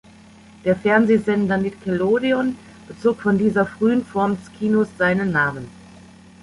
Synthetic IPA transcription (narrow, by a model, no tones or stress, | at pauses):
d̥eːɐfɛɐnzeːzɛndɐnitkʰɛloːdeɔn | b̥ət͡soːkfɔndiːzɐfʁ̥yːənfɔɐmdɛskʰiːnosz̥aɪnənːaːmən